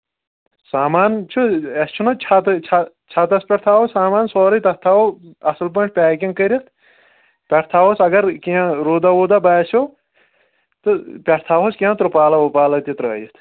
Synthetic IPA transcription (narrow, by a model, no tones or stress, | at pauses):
saːmaːnt͡ʃʰuɐst͡ʃʰunɐt͡ʃʰat̪ɨt͡ʃʰa | t͡ʃʰat̪ɐspʲɐʈt̪ʰaːwosaːmaːnsoːɾɐt̪ɐt̪ʰaːoɐsɨlp̬ɐɳʰpʲɛːkʲiŋkɐɾʲit̪ | pʲɐʈt̪ʰaːwosɐɡɐɾkiãɾoːd̪ɐwoːd̪ɐbaːsoː | t̪ɨpʲɐʈt̪ʰaːɦoskẽãt̪ɾupaːlɐopaːlɐt̪it̪ɾɐɐ̰jit̪ʰ